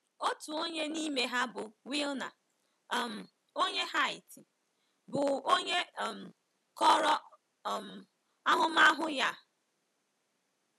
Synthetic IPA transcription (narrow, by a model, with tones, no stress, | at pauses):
o˦tu˨o˦ɲe˦ni˦me˨ɦa˦bʊ˨wi˦lna̰˨ | m̩˨ | o˦ɲe˦ɦa˦ɪ˨ti˨ | bʊ˨o˦ɲe˦˨m̩˨ | kɔ˦ɾɔ˦˨ | m̩˨ | a˦ɦʊ˦ma˦ɦʊ˦ja˦˨